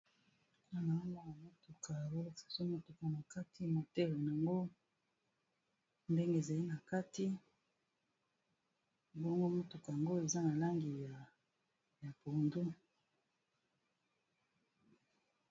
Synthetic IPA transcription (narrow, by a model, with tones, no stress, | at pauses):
a˨na˨a˦ŋɡo˦na˨mo˨to˨kʰa˨wo˦˨sḁ˨so˦mo˨to˨ka˨na˨ka˦tʰi˦mo˨te˦le˨n˨a˨ŋɡo˦ | nde˦ŋɡe˦˨za˨li˦na˨ka˦ti˦ | bo˦ŋɡo˦mo˦to˨ka˨ja˨ŋɡo˦e˨za˦na˨la˦ŋɡi˨ja˨ | ja˨po˨ndu˦